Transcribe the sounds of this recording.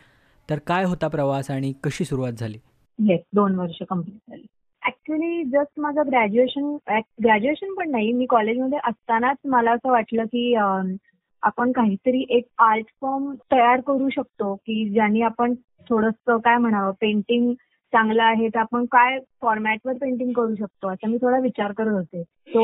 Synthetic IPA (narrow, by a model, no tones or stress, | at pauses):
t̪əɾkajɦot̪apɾəʋasaɽ̃ikəɕiːsuɾuʋat̪̚d͡zʱaliː | jesd̪onʋəɾʂəkəmpliːʈ̚d͡zʱaliː | æk̚t͡ɕuəliːd͡zəst̪mad͡zʱaɡɾæd͡ʑueɕənek̚ɡɾæd͡ʑueɕənpəɳːaɦimiːkɔled͡ʑməd̪ʱjeʔəst̪anat͡sməlaəsəːʋaʈləːkiːə | apəɳkaɦiːt̪əɾiːʔek̚alʈfɔɾmt̪əjaɾkəɾuːɕək̚t̪okiːd͡ʑaniːapəɳ | t̪ʰoɽəst̪əkajm̤əɽ̃aʋəpẽɳʈiŋɡ | t͡sãŋɡlaːɦet̪apəɳkajfɔɾmæʈʋəɾpẽɳʈĩŋɡkəɾuːɕək̚t̪oəsamiːt̪ʰoɽaʋit͡ɕaɾkəɾət̪ɦot̪e | t̪o